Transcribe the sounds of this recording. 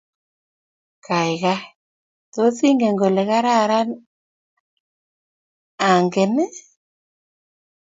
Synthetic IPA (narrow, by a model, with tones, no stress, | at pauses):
ka˨i˨ɣa˦ | to˨˦si˦ŋɡɛ˨ŋɡɔ˨lɛ˨ɣa˦ɾa˦˨ɾa˦n | a˨ŋɡɛ˨nɛ˦